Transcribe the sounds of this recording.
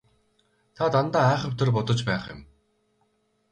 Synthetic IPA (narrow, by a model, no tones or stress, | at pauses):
t̪ʰat̪ant̪aːæːχə̆p̚t̪ʰĕrp̬ʊt̪ɞ̆t͡ɕpæːχjɪ̰̆m